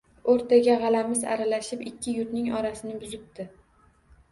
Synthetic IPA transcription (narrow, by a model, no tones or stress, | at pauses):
oɾt̪ʰaɡʲaʁɑlamɪza̰ɾalaʃɪpɪkʲʰːɪjʊɾnɪŋɒɾasɪnɪbʊzɪp̚t̪ʰɪ